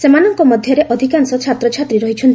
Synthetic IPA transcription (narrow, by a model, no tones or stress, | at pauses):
semanɔŋkɔmɔd̪ʱjɔɾeʔɔd̪ʱikansɔt͡ʃʰat̪ɾɔt͡ʃʰat̪ɾiɾɔɦit͡ʃʰɔn